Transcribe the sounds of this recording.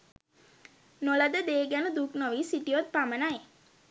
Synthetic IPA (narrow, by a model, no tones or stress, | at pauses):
noləd̪əd̪eːɡænəd̪uknoʋiːsiʈiot̪̚pamənaj